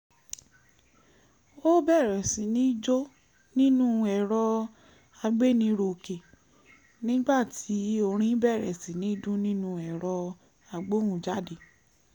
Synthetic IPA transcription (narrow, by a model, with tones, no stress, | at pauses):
o˦bɛ˦˨ɾɛ˨sĩ˨˦nĩ˦d͡ʒo˦ | nĩ˦nũ˦˧˦ɛ˧˨ɾɔ˧ | a˧ɡ͡be˦˨nĩ˧˦ɾo˧ke˨ | nĩ˦ɡ͡ba˦˨tʰi˨˦o˧ɾ̃ĩ˦bɛ˦˨ɾɛ˨sĩ˨nĩ˨˦dũ˦nĩ˦nũ˦ɛ˨ɾɔ˧ | a˧ɡ͡bo˦wũ˧d͡ʒa˦de˨